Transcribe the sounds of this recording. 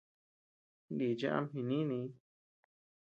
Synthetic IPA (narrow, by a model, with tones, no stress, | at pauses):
li˨d͡ʒa˦ʔa̰˧mɦĩ˨˧nĩ˦nĩ˧˦